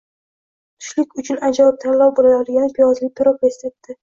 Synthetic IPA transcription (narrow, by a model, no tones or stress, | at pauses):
t̪ʰʊ̥ʃlɪkʲʊt͡ʃʰʊnad͡ʒalɪp̚t̪ʰaɾlˠɒwbolajɒd̪ɪɡʲanɪpʰijɒzlɪk̚ʲt̪ʰɪɾopest̪et̪ːɪ